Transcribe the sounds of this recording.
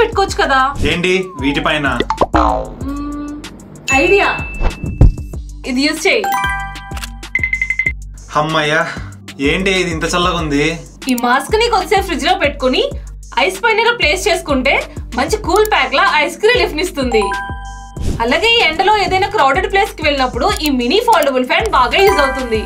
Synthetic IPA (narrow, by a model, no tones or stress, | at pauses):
peʈːu̥kot͡ʃːu̥kɐd̪aːeːɳʈiʋiːʈipɐjnɐ | ɐjɖijaː | id̪ijuːst͡ʃeːji | hɐmːɐja | eːɳʈeid̪int̪ɐt͡ʃɐlːɐɡund̪i | iːmaːsknikod̪sepɾid͡ʒloːpe̞ʈːu̥kuni | ɐjspɐjnɐɾɡɐpleːst͡ʃe̞ːsu̥kuɳʈe̞ːmɐɲt͡ʃikuːlpaːklaːʔɐjskɾiːlipʰnist̪und̪i | ɐlaːɡe̞ːiːeɳɖɐlo̞ːeːd̪ɐjnaːkɾɐwɖɐɖ̚ple̞ːskiʋeɭinɐpːuɽuʔiːminipʰaːlɖebulpʰaːnbaːɡaːjuːzɐwut̪und̪i